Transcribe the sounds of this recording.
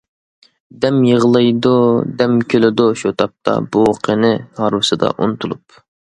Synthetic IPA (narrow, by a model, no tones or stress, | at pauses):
d̪ɛmjəʁlˠɨjd̪ud̪ɛmkʲʰølɪd̪ʊʃut̪ʰɑp̚t̪ʰɑ̰buqʰənɪhɑɾwɨsɨd̪ɑ̰ʔunɨt̪ʰulˠup